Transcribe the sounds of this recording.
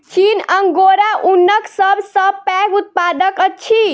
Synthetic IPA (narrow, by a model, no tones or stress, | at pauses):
t͡ʃinəŋɡoɾaʔunːəksəbʱsəbpɛkut̪̚pad̪əkətːt͡ʃʰi